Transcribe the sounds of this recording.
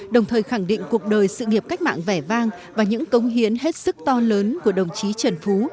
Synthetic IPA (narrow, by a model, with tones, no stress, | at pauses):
ɗə˨˩wŋ͡mt̪ʰəː˨˩jxa˧˩ŋɗḭ̈˧˨ŋ̟ku˨˩ək̚ɗəː˨˩jsɨ̰˧˨ŋi˨˩əp̚ka˦˥k̟̚ma̰ː˧˨ŋvɛ˧˩vaː˧ŋ | vaː˨˩ɲɨ̰˧˥ŋkə˨˦wŋ͡mɦi˨˦ənɦe˦˥t̚sɨ˦˥k̚t̪ɔ˧ləː˨˦nku˧˩əɗə˨˩wŋ͡mt͡ɕi˨˦t͡ɕə˨˩nfu˨˦